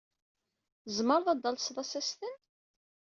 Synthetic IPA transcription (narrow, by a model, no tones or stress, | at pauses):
zməɾˤðɑd̪ːɑlsðˤɑsæst̪ən